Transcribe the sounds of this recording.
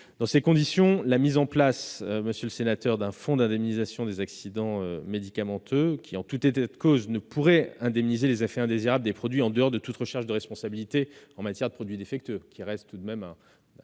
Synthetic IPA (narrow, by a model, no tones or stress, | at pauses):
d̪̥ɑ̃sekɔ̃d̪isjɔ̃lamizɑ̃plasøməsjøləsenat̪œʁd̪ɛ̃fɔ̃d̪ɛ̃d̪ɛmnizasjɔ̃d̪ezaksid̪ɑ̃ømed̪ikamɑ̃t̪ʰøkʲiɑ̃t̪ut̪et̪at̪koznəpʰuʁɛɛ̃d̪ɛmnizelezefɛɛ̃d̪eziʁabləd̪epχɔd̪ɥiɑ̃d̪əɔʁd̪ət̪ut̪ʁəʃɛʁʃd̪əʁɛspɔ̃sabilit̪eɑ̃mat̪jɛʁd̪əpχɔd̪ɥid̪efɛk̚t̪økʲiʁɛst̪tːud̪mɛmɛ̃